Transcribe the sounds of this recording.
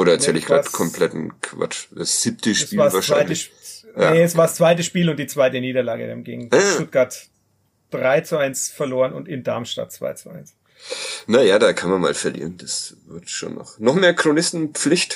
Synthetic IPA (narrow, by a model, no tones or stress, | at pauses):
ʔoːɾɐɛsɛlɪçɡ̥ʁa̰ːtkʰɔmpʰlɛtn̩kʰva̰t͡ʃd̥asz̥iːp̚tʰəʃpiːvaːvaːɐʃaɪɪəjanɛɛsv̥aːɐst͡sv̥aɪtəʃpiːlʊnt̚d̥iːt͡sv̥aɪtəniːɾɐlaːɡə̰dḛːmɡɪːŋ̩ʃtʊt̚ɡ̥aɐt | d̥ʁaɪt͡suʔaɪnsfɛɐloːʁənʊ̰ntɪndaɐmʃta̰t̚t͡sv̥a̰ɪt͡suʔa̰ɪns | najaːdaːkʰanmanma̰ːlfɛɐlḭːʁənd̥asvɪɐtʃo̰ːnːɔ̰χnɔχmeːɐkʁ̥onɪstn̩p͡flɪçt